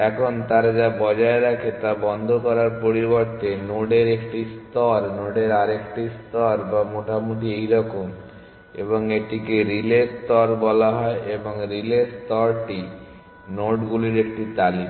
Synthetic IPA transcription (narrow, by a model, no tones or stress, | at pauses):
ɛkʰont̪aɾd͡ʒabɔd͡ʑaeɾakʰet̪abɔnd̪ʱokɔɾaɾpoɾiboɾt̪enoɖeɾekʈist̪ɔɾnoɖeɾaɾekʈist̪ɔɾbamoʈamuʈiejɾɔkom | ḛboŋeʈikeɾilest̪ɔɾbɔlaɦɔeʔeboŋɾilest̪ɔɾʈi | noɖɡuliɾek̚ʈit̪ali